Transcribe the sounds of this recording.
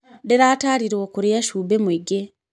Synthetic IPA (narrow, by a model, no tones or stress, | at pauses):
deɾaːtaːɾiɾoːkuɾijaʃuːbemwiɡe